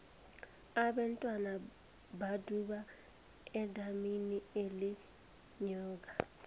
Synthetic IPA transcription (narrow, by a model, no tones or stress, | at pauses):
aɓantʼwana | baduɓa | ɛdʱaminieli | ɲɔːk̬a